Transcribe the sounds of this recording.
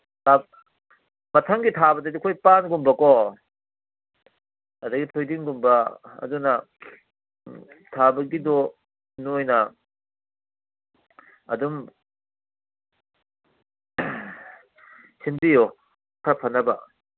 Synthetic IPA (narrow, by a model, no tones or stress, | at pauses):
a | mɐtʰɐŋɡitʰabɐdɐdikʰojpanɡumbɐkɔ | ɐdɐɡitʰojdiŋɡumbɐɐ̰dunɐ | tʰabɐɡidɔ | nojnɐ | ɐ̰dum | sinbijo | kʰɾpʰɐnːɐbɐ